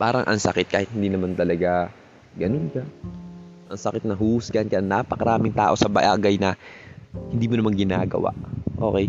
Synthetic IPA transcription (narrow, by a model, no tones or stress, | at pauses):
paːɾɐŋʔɐ̰ŋsɐkɪt̪̚kaːhɪt̪̚hɪnd̪iːnɐmant̪ɐlɐɡa | ɡɐnonkɐ | ʔɐŋsɐkɪt̪nɐɦuːhʊskɐnkɐɐŋnaːpɐkɐɾaːmɪŋt̪a̰ːʔo̞sɐbɐʔaːɡɐjnɐ | hɪnd̪iːmʊonɐmaŋɡɪna̰ːɡɐ̰wa̰ʔʔo̞̰kɛj